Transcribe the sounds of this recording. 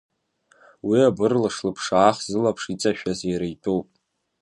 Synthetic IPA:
wiabɨrlɨʂlɨpʰʂaːχzɨlapʰʂit͡sʼaʃᶣazjaɾajtʼuwpʼ

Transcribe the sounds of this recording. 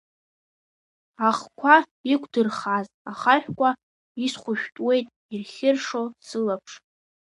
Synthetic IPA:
aχkʷʰa | ikʷʰdɨrχaz | aχaχʲᶣkʷʼa | isχʷʊʃᶣtʼwe̞jtʼ | irχʲɪrʂosɨlapʰʂ

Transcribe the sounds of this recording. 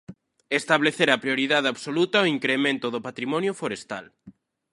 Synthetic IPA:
est̪aβleθeɾɐpɾijoɾiðaðeaβsolut̪ɐoiŋkɾemẽnt̪ʊðʊpat̪ɾimɔnjʊfoɾest̪a̰l

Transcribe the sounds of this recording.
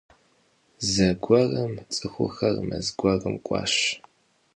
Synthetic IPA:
zɐɡʷɐrɐmt͡sʼɨxʷʊ̰xɐrmɐ̰zɡʷɐrɨmkʷʼɑ̰ːɕ

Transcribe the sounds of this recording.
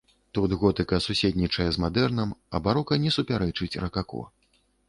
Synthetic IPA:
t̪ut̪ɣɔt̪ɨkɐsusʲet̪ʲnʲit͡ʂɐjɛzmad̪ɛrnɐmɐbaɾɔkɐnʲɛsupʲaɾɛt͡ʂɨt͡sʲrɐkakɔ̰

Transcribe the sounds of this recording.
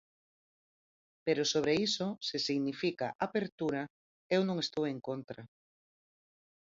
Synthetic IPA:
peɾosoβ̞ɾeisosesiɣnifikaʔapeɾt̪uɾa | ewnõŋest̪oweŋkont̪ɾa

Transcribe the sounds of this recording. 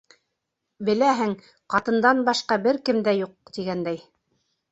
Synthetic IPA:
bɘ̆læɦɘŋ | qɑt̪ɤ̆nd̪ɑnbɑʃqɑbɘɾkɘmd̪æjuq̚t̪iɡænd̪æj

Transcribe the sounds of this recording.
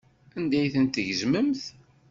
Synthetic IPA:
ænd̪æjθənt̪əʝzməmθ

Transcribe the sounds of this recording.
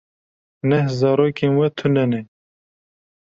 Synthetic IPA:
nɛhzɑːɾoːkenwɛt̪ʰʊnɛnɛ

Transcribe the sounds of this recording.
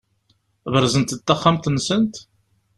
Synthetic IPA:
vəɾˤzənt̪t̪ːaχːamt̪nːsənt̪

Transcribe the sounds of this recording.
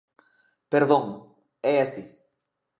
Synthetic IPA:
peɾðõŋ | ɛest̪i

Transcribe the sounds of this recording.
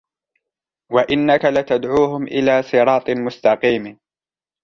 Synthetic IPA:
waʔɪnːakalat̪ad̪ʕuːɦʊmʔɪ̰laːsˤɨɾˤɑːt̪ˤmʊst̪ɑqiːm

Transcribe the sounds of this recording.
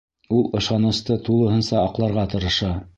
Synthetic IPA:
ulˠɤ̆ʃɑnɤ̆st̪ɤt̪ulˠɤ̆ɦɤ̆nsɑːqlˠɑɾʁɑt̪ɤ̆ɾɤ̆ʃɑ

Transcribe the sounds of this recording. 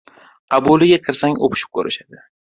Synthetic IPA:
abolɪɡʲaqʰɨɾsaŋo̰pʰɪ̥ʃɪ̥p̚kʲʰɵɾɪʃad̪ɪ

